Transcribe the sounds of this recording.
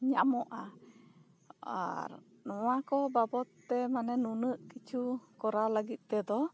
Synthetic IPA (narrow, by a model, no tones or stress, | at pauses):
ɲamɔʔa | a̰ɾ | nɔwakɔbabɔt̪ːɛmanɛnunəʔkit͡ʃukɔɾalaɡit̪̚ˀt̪ɛd̪ɔ